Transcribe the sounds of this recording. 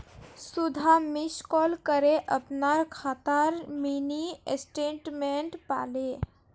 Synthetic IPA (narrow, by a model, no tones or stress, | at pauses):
sud̪ʱamiskɔːlkəɾeʔəpnaɾkʰaːt̪əɾminiḛsʈeɳʈmẽɳʈpa̰ːle